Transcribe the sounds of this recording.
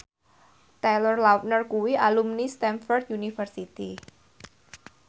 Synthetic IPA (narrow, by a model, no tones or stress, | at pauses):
t̪ɛlɔrlaf̚nərkuwialumnist̪ɛnfɔrd̪̚junifərsit̪i